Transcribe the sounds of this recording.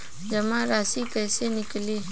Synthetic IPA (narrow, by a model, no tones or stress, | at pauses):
d͡ʒəmãːɾaːsiːkəːsenɪkliː